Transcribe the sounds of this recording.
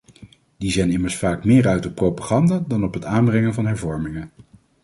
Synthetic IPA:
dizɛjnɪməɹsfaːkmɪːɹœɥtɔpːrowpaːχɑndaːdɑnɔpɦətaːnbrɛŋənvɑnɦɛɹvɔɹmɪŋə

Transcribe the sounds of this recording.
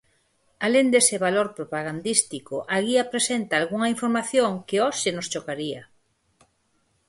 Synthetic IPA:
alend̪esɪβaloɾpɾopaɣand̪ist̪ikoʔaɣiapɾesent̪aːlɣuŋɐiɱfoɾmaθjoŋkeoʃenost͡ʃokaɾia

